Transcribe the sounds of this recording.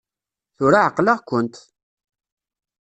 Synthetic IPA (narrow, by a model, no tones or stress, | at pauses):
θʊɾaʕəqːləʁkʷːənt̪